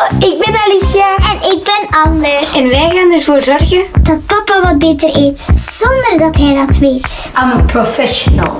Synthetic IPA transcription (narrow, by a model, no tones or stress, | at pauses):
ɪɡ̚bɛnalisjaɛnɪɡ̚bɛnɑndəsɛnʋɛjɣaːnərvoːrzɔrɣəd̥ɑt̚pɑpaʋɑd̚beːtəreːtz̥ɔndərdɑtɦɛjdɑtʋeːt | aməprofɛʃɔnə̰lˠ